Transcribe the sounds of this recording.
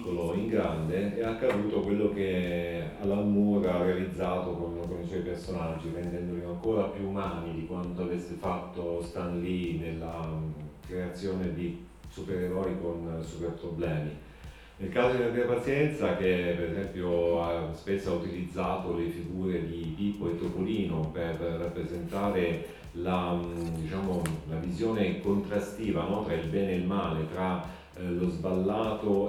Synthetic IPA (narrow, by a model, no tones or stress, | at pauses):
kːoloiŋɡɾand̪eɛakːad̪uːt̪okwelːokea̰lːamuːɾarealid̪zːaːt̪okonkoniswɔjpersonad͡ʒːivend̪ɛnd̪oliaŋkoːɾapjuːmaaːnid̪ikwant̪oavesːefat̪ːost̪anlinelːakɾeat̪sːjoːned̪i | supeɾeɾɔːɾikonsuperpɾoblɛːmi | nelkaːzod̪elap̪iːapat̪sjɛnt̪sak̟epːeɾezɛmpjoaspesːoaut̪ilid̪zːaːt̪olefiɡuːɾed̪ipiːpoet̪ːopoliːnoperːapːɾezent̪aːɾe | lad̪it͡ʃaːmolavizjoːnekont̪ɾast̪iːvanɔt̪ɾailbɛːneːilmaːlet̪ɾa | lozbalːaːt̪o